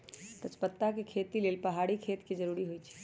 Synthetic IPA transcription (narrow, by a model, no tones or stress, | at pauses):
t̪ət͡ʃpət̪ːakekʰet̪ilelpəɦaɽikʰet̪ked͡ʒəɾuɾiɦojt͡ʃʰɛ̥